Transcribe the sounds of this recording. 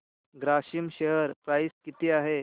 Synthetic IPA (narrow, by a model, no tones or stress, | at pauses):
ɡɾaɕimɕeɦəɾpɾajskit̪iːaɦe